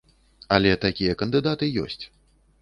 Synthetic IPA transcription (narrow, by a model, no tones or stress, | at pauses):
ɐlʲɛt̪akʲijɐkɐnd̪ɨd̪at̪ɨjɔ̰sʲt͡sʲ